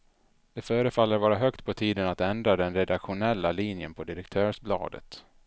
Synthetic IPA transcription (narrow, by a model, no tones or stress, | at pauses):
d̪̥ɛfœːɾəfalːəɾvɑːɾaɦœkt̪pʰɔt̪ʰiːd̪ənat̪ɛnd̪ɾad̪ɛnɾɛd̪akɧʊnɛlːaliːnjənpʰɔd̪ɪɾɛk̚t̪ʰœːʂblɑ̰ːd̪ə̰t̪